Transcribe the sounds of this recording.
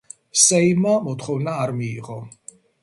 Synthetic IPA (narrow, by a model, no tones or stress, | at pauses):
sɛjmamɔt̪χɔwnaːɾmiːʁɔ